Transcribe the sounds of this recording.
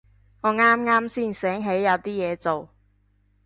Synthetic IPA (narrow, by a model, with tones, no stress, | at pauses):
ŋɔː˨˧ŋaː˥mŋaː˥msiː˥˩nsɛː˨˥ŋɦe˨˥jɐ˨˧wt̪iː˥jɛː˨˧t͡so˨w